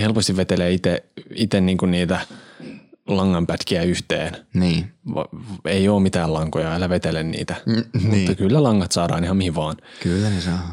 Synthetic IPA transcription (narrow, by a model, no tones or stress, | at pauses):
helpost̪iʋʋet̪elæit̪eit̪enniːŋkunniːt̪æ | lɑŋːɑmpæt̪kiæyht̪ḛːnniːʋɑ̰eioːmit̪æːlɑŋkojɑelːæʋet̪elennḭːt̪æmut̪ːɑkylːælɑŋːɑt̪sɑːdɑ̰ːnihɑmihiʋʋɑːnkylːænesɑː